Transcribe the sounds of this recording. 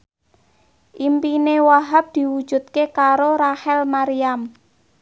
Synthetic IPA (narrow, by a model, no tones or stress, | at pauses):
ʔimpinewaɦap̚d̪̥i̤wud̥ʒ̥ṳt̪̚kekaɾoɾahɛlmaɾiam